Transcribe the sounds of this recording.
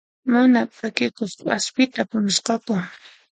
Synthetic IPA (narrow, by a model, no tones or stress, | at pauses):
manapʼakɪkʊst͡ʃʊaspɪt̪apʊnɪsqɑkʊ